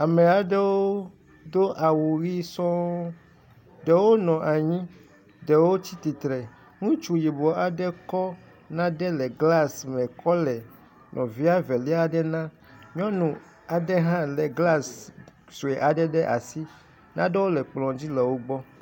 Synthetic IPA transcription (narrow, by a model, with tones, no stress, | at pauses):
a˨mɛ˨a˨ɖɛ˦wo˦ | d̪o˦ʔa˨wu˨ɣi˦sɔ̃˦ | ɖɛ˨wo˦nɔ̃˨ʔa˨ɲĩ˦ | ɖɛ˨wo˦t͡ɕi˦t̪i˨t̪ɾɛ˨ | ŋũ˦t͡ʃu˦ji˨bɔ˨a˨ɖɛ˦kɔ˦ | nã˦ɖɛ˦lɛ˨ɡla˦smɛ̃˨kʰɔ˦lɛ˨ | nʔɔ̃˨vi˦a˦vɛ˨lɛ˦a˦ɖɛ˦nã˦ | ɲɔ̃˦nũ˨ | a˨ɖɛ˦ɦã˦lɛ˨ɡla˦˨s | su˨e˨ʔa˨ɖɛ˦ɖɛ˦ʔa̰˨si˦ | nã̰˦dɛ˦wo˦lɛ˨k͡plɔ̃˨d͡ʑi˦lɛ˨wo˦ɡ͡bɔ˦